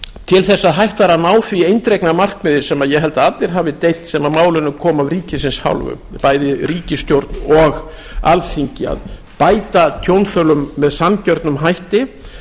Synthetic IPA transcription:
t̪ʰɪlθɛsːaðɦajht̪vaɾanaːwθviejnt̪ɾejknamar̥kmɪðɪɾ̥sɛmaðjɛɦɛlt̪aat̪lɪɾ̥ɦaːvɪt̪ejl̥t̪sɛmaðmaːwlʏnːʏkʰɔːmavriːcɪsɪnsha̰wlvʏ̰ | paːjðɪɾiːcɪst̪jowɾt̪nɔɣ | a̰lθiɲcɪa̰ð | paːjt̪at̪ʰjownθœlʏmːɛðsancœɾt̪nʏmɦajht̪ɪ

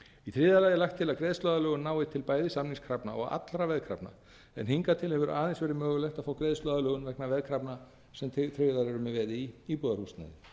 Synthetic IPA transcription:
iθʰɾɪðalajðɪlajxt̪ʰːɪlakɾɛːðst̪œːðalœːɣʏnːaːwɪt̪ʰːɪlpaːjðɪsamniŋskʰɾapna̰ɔ̰ɣa̰t̪lɾavɛðkʰɾa̰pna̰ | ɛ̰nhiŋkat̪ʰɪlhɛvʏɾaːðɛnsvɛːɾɪmœːɣʏlɛht̪aðfaːwkɾɛːðst̪lœːðalœːɣʏnvɛknavɛðkʰɾapna | sɛmθɾɪðaɾɛɾʏmɪvɛːðɪiipɔːðaɾhust̪na̰ðɪ

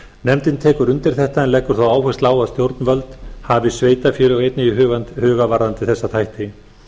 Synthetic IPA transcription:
nɛmt̪ɪnt̪ʰɛːkʏɾʏnt̪ɪɾ̥θɛht̪aɛnlɛkːʏɾ̥θawaːwhɛst̪laːwaðst̪jowɾt̪nvœlt̪havɪsveːjt̪afjɪːɾʏawejt̪nɪiɦʏːɣant̪hœːɣavaɾant̪ɪθɛsːat̪ʰajht̪ɪ

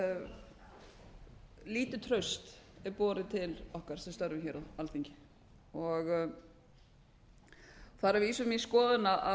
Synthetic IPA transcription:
liːt̪ʏt̪ʰɾœɥst̪ɛɾpɔːɾɪt̪ʰɪlɔhkaɾ̥sɛmst̪œɾvɪmçɛɾaalθiɲcɪ̥ | ɔɣ | θaɾaviːsʏmiskɔːðɪnaʔa

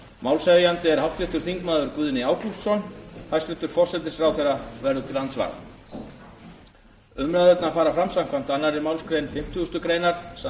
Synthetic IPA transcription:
mawlsɛvjant̪ɪɛɾ̥hawht̪vɪht̪ʏɾ̥θiŋkmaːðʏɾkvʏːðnɪaːwklust̪sɔnhajst̪vɪht̪ʏɾ̥fɔr̥sɛt̪ɪsɾawθejravɛɾðʏt̪ɪlhant̪sva̰ɾ | ʏmɾaðɛt̪nafaːɾafɾamsam̥kʰam̥t̪anːaɾɛɾmawlskɾejnfɪm̥t̪ʰust̪ʏkɾeːjnaɾ̥s

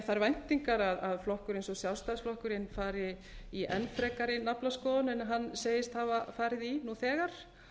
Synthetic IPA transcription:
θaɾvajn̥t̪iŋkaɾaðaðflɔhkʏɾejnsɔsjawst̪aðsflɔhkʏɾɪnːfaːɾɪ | iʔɛnfɾɛkaɾɪnaplaskɔːðanɛnɦanːseːjɪst̪havafaːɾɪðinuθɛːɣaɾ̥

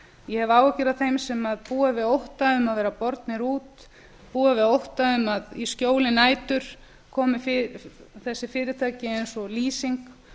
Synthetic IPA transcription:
jɛhɛvaːwacɪɾaðθejmsɛmaðpuːavɪðowht̪aʏmaðvɛːɾapɔɾt̪nɪɾuːt̪ | puːavɪðowht̪aʏmaðiscoːwlɪnaːjt̪ʏɾ̥ | kʰɔːmɪfɪθɛsːɪfɪːɾɪt̪ʰaːcɪejnsɔliːsiŋk

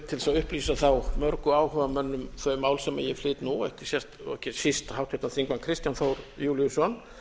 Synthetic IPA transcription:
t̪ʰɪlsaðʏhpliːsaθawmœɾkʏaːwhœːvamœnːʏmθœɥmaːwlsɛmɛ̰jɛflɪːt̪nuɛhcɪsjɛr̥t̪ɛ̰hcɪsist̪hawht̪ʰɪt̪aθiŋkmankʰɾɪst̪janfowɾjuːljʏsɔn

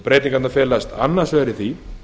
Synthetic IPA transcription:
pɾeːjt̪iŋkanafjɛːlast̪a̰nːaɾ̥svɛɾɪθvi

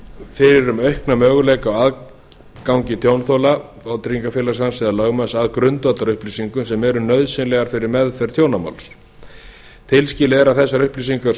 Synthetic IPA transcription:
fɪɾɪɾʏmœɥhknamœːɣʏlejkawað | kawɲcɪt̪ʰjownθowla | awt̪ɾiŋkafɪlasansɪðalœɣmasaðkɾʏnt̪vat̪aɾʏhpliːsiŋkʏsɛmɛɾʏnœɥðsɪnlɛɣaɾ̥fɪɾɪɾmɛðfɛɾ̥t̪ʰjoːwnama̰wls | t̪ʰɪlscɪːlɪɛɾaðθɛsːaɾʏhpliːs̬iŋka

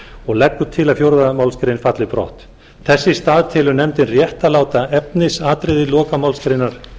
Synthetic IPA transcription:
ɔɣlɛkːʏt̪ʰɪlafjowɾðamawlskɾɪnfat̪lɪpɾɔ̰ht̪ | θɛsːɪst̪aːðt̪ʰɪlʏnɛmt̪ɪnrjɛht̪alaːwt̪aɛpnɪsaːt̪ɾɪðɪlɔːkamawlskɾɪnːaɾ̥

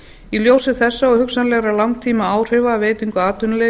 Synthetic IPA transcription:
iljoːwsɪθɛsːaɔɣhʏksanlɛɣɾalawŋt̪ʰiːmaaːwr̥ɪvaːveːjt̪iŋkʏaːt̪ʏnle

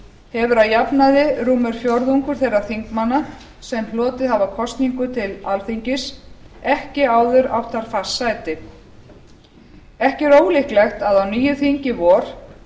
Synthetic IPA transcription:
hɛvʏɾaðjapnaðɪɾuːmɛɾ̥fjɔɾðuŋkʏɾ̥θejraɾ̥θiŋkmanːa | sɛmlɔːt̪ɪðhavakʰɔst̪niŋkʏt̪ʰɪlalfiɲcɪsɛhcɪaːwðʏɾa̰wt̪ʰaɾ̥fḁsajt̪ɪ | ɛhcɪɾoːwlihklɛxt̪aðawniːjʏθiɲcɪvɔːɾ̥

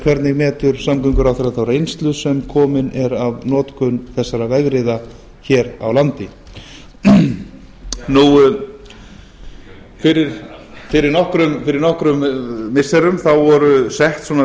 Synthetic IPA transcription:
kʰv̥ɛɾt̪nɪɣmɛːt̪ʏɾ̥samk̪ʏŋkʏɾawθɛɾaðθawɾejnst̪lʏsɛmkʰɔːmɪnɛɾavnɔːt̪kʏnθɛsːaɾavɛɣɾɪða | çɛːɾa̰wlant̪ɪ | nuw | fɪɾɪɾfɪɾɪɾnɔhkɾʏmfɪɾɪɾnɔhkɾʏmmɪsɛɾʏmθawvɔɾʏsɛht̪sɔːna

